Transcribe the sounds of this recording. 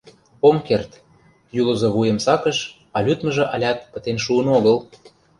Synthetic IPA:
pomkert̪ | julɤ̆zŏβujə̆msɑkə̆ʃ | ɑlʲyt̪mə̆ʒɤ̆ʔɑlʲɑt̪̚pə̆t̪enʃ̬uənoɣə̆l

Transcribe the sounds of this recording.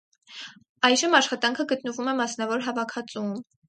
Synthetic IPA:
ɑjʒəmɑʃχɑt̪ɑŋkʰəɡət̪nəvumɛmɑsnɑvɔɾɦɑvɑkʰɑt͡sum

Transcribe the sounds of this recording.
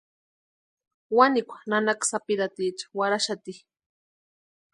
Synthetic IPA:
wanikʷḁnanaksapiɾat̪it͡ʃḁwaɾaʃat̪i

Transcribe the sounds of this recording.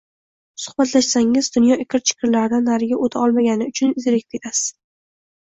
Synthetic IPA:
sʊ̥χbat̪laʃsaŋɪzd̪ʊnjɒʔɪkʲʰɪɾt͡ʃʰɪ̥kʲʰɪɾlaɾd̪anːaɾɪɡʲaʔot̪ʰaɒlˠmaɡʲanɪʊt͡ʃʰʊnɪzɪɾekʲp̚kʲʰe̞t̪ʰasɪ̥z̥

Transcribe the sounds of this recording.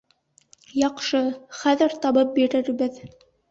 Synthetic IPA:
jɑqʃɤχæðɘɾt̪ɑβɤp̚biɾɘ̆ɾbɘð

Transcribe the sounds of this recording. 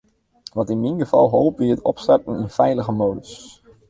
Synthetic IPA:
ʋɑtɪnminχəv̥ɑlˠɦowpʋɪətɔ̰pstɑrtənənfɛjləχəmowdəs

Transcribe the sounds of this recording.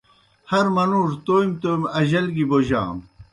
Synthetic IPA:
hɐɾmɐnuːʐt̪ojimt̪oːjmɐʑɐlɡiboʑa̰ːm

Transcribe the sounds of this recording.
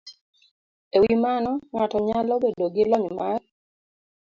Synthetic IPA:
ewimanɔŋatɔɲalɔbedoɡɪlɔɲmar

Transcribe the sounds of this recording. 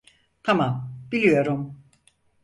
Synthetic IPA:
t̪ʰamamb̥ilʲijo̞ɾum

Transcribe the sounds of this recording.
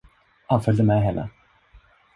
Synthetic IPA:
hanfœld̪əmɛɦɛnːə̰

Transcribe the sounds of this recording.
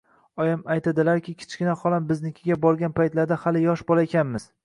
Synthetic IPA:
ɒjamajt̪ʰad̪ɪlaɾkʲɪkʲʰɪ̥t͡ʃɡʲɪnahɒlˠambɪznɪkʲʰɪɡʲabɒɾɡʲanpʰajt̪laɾd̪ahalɪjɒʃbɒlˠaekʲʰanmɪz̥

